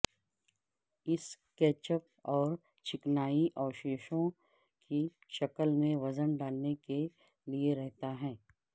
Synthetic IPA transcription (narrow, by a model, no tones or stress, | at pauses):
ɪs | kɛːt͡ʃəp̚ | ɔːɾ | t͡ʃʰɪknaːiʔɔːʃeːʃõ | ki | ʃɐkəlmẽʋɐzənɖaːlneke | lieɾɛɦt̪aɦɛ̃ː